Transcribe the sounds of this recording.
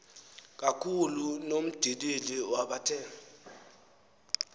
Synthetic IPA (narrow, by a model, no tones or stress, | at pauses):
k̬akʰulunom̩d̥ʱidiliwaɓatʰɛ